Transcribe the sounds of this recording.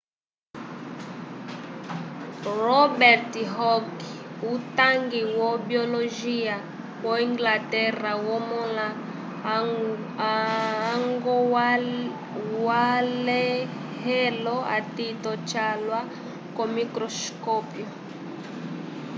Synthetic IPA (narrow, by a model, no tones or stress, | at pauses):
rɔbɛɾtiɦɔkiutaŋɡiwɔbiɔlɔʒia | wɔiŋɡlatɛrawɔmɔla | ŋɡɔ | walɛ | ɦɛlɔa̰titɔt͡ʃalwa | kɔmikɾɔskɔpjɔ